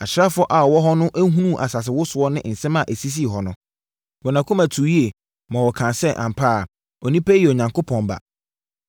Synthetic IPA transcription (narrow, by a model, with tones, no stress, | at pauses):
a˨ɕɾa˦fʊ˦ɔ˦ʔa˨ɔ˨wɔ˦ɦɔ˦nʊ̃˦ʔæ˦ɦũ˦nũ˦˨ʔa˨sa˨s̬ɪ˨wʊ˦sʊ˨˦ɔ˦nɪ̃˦n̩˨sɛ̃˦mã˨ʔæ˨si˦s̬i˦˨ɦɔ˨nʊ̃˦ | wɔ˨nã˨kʰo˦mæ˨tʰu˨ji˦e˨ | mã˨wɔ˨kʰã˨nsɛ˦ʔã̰˨m˨pʰa˦˨ | ɔ˨nĩ˦pʰæ˦e˨o˨ɲã˨ŋkʰo˦pʰɔ̃˨mba̰˨